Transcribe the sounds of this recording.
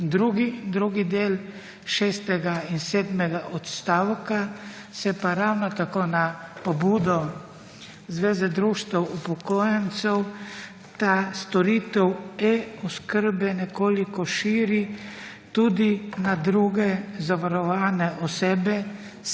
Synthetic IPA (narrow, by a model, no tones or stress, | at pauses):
d̪ɾuɡid̪ɾuːɡid̪eːl | ʃɛːst̪ɛɡainseːd̪mɛɡaʔɔt̪st̪awka | sɛpaɾawnɔt̪akonapɔbuːd̪ɔ | zʋeːzɛd̪ɾuʃt̪ɛwupɔkoːjɛnt̪sɛw | t̪ast̪ɔɾiːt̪ɛwɛɔskəɾbɛnɛkoːlikɔʃiːɾi | t̪ud̪inad̪ɾuɡɛzaʋaɾɔʋaːnɛʔɔseːbɛ